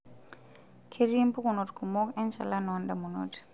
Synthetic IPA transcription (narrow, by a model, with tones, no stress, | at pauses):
kʰe˨ɾi˦mpu˦kuno˨tkʰumo˦kɛ˦nʃa̰˨la˦nɔndamu˨no̰ti̥